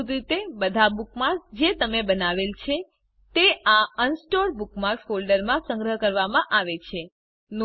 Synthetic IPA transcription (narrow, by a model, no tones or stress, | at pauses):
d̪ɾit̪ebəd̪ʱabukmãd͡ʒet̪əmebənaʋelt͡ʃʰe | t̪eʔaənsʈoɾbukmaɾfolɖəɾmãsə̃ŋɡɾəɦkəɾʋamãʔaʋet͡ʃʰe | n